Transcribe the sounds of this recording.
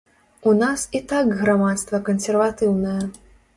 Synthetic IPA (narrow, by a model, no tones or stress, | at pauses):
unasit̪akɣɾamat̪st̪vɐkɐnsʲɛrvat̪ɨwnɐjɐ